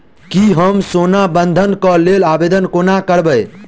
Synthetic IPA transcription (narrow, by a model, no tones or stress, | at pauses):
kiɦəmsonabənd̪ʱənkəlelabed̪ənkonakəɾbəj